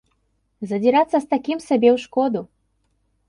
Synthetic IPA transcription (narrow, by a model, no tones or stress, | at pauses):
zɐd͡zʲiɾat̪sːɐst̪akʲimsabʲɛwʂkɔd̪u